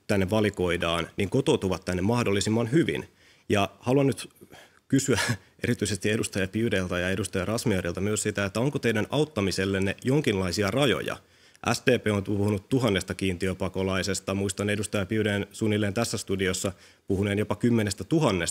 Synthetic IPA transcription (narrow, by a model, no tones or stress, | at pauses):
t̪ænːeʋɑliko̞idɑːnniːŋko̞t̪oːt̪uʋɑt̪ːænːemɑhdolːisimːɑnɦyʋḭn | jɑhɑluɑnːyt̪ | kysyæ | ʔe̞ɾit̪yise̞st̪ie̞dust̪ɑjɑpiudeilt̪ɑjɑe̞dust̪ɑjɑrɑsmieɾilt̪ɑmyøssit̪æet̪ːæoŋkot̪e̞idænɑwt̪ːɑmiselːenːejo̞ŋkinlɑisiɑrɑjo̰jɑ̰ | ʔæ̰st̪eːpeːont̪uuhunut̪tuɦɑnːe̞st̪ɑkiːnt̪iøpɑkolɑise̞st̪ɑmuist̪ɑne̞dust̪ɑjɑpiudeːnsunːilːeːnt̪æsːæst̪udiosːɑ | puhuneːnjo̞pɑkymːenest̪æt̪uɦɑnːes